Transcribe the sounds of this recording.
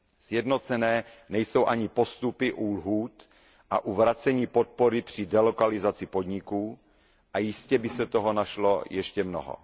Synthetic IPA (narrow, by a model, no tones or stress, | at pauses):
sjɛdno̞t͡sɛnɛːnɛjso̞wʔaɲɪpo̞st̪upɪʔuːlɦuːt̪ | ʔaʔuvɾat͡sɛɲiːpo̞t̪̚poɾɪpr̝̥ɪdɛlokalɪzat͡sɪpo̞dɲɪkuː | ʔajɪscɛbɪsɛt̪oɦo̞naʃlo̞jɛʃcɛmno̰ɦo̰